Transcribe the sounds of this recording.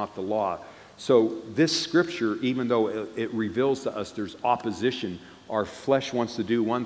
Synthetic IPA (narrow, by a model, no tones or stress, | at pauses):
ət̪̚ðəlɔ | soʊðɪskɹɪp̚t͡ʃə˞ʔivɨ̃nðoʊɪt̚ɹɪvilˠz̥tʰəʔʌsðə˞zɑpɨzɪʃɨ̃n | ʔʊə˞flɛʃwɑ̃ntstʰɨdɨwʌ̃n